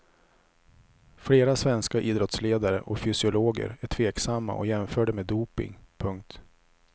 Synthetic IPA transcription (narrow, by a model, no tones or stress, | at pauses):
fleːɾasvɛnskaʔiːd̪ɾɔt̪sleːd̪aɾəʔɔfʏsɪʊloːɡə̰ɾæʈʰv̥eːksamːa̰ʔɔ̰jɛmfœːɖəmeːd̪uːpɪ̰ŋpʰɵŋk̚t̪